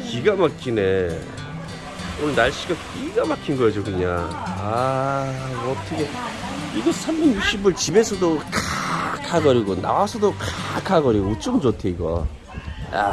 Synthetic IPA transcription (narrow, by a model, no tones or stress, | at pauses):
kiɡamakʰine | onɯɭnaɭɕ͈iɡakiɡamakʰinɡʌad͡ʑokɯɲa̰a | ʌtʰʌɡʰe̞iɡʌsʰamːinjuk̚ɕ͈ibɯɭt͡ɕibe̞sʰʌdokakʰaɡʌɾiɡona̰wasʰʌdokakʰaɡʌɾiɡoot͡ɕ͈ɯmd͡ʑotʰeiɡʌ̰ | a̰